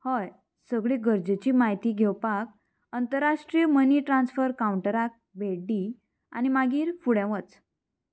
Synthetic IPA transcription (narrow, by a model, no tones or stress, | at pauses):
həj | səɡɭiɡəɾd͡ʑet͡ɕiːmaɦjt̪iːɡʱewpak̚ | ənt̪əɾaʂʈɾijəməniːʈɾãnsfəɾkawɳʈəɾak̚beɖiː | a̰ñimaɡiːɾfuɽẽʋət͡s